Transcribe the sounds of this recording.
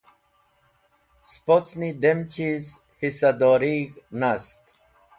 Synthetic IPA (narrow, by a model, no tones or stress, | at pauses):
spot͡snid̪emt͡ɕiz | hisad̪oɾiɣnast̪